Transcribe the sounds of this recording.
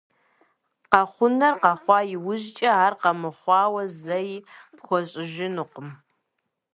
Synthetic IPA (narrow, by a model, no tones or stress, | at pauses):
qɑχʷʊnɐrqɑχʷɑːjɪwʊʑt͡ʃʼɐaːrqɐmɨχʷɑːwɐzɐjpxʷɔɕʼɪʒɪnɨqʷʊm